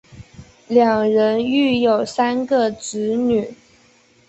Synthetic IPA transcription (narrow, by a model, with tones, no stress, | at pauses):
ljɑ˨˩ŋɻə˧˥ny˥˩jo˨˩ʊsa˥nɡə˨ʈ͡ʂɻ̩˧˥ny˨˩˦